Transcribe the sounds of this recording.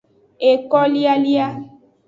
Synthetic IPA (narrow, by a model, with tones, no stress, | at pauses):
e˨kɔ˦li˦a˦li˦a˦